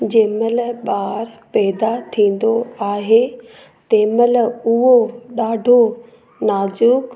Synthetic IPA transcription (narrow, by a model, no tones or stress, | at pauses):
d͡ʑeːməlɓaːɾpɛːd̪at̪ʰĩːn̆d̪oaːɦe | t̪eːməlʊɦoɗaːɖʱo | naːzuːk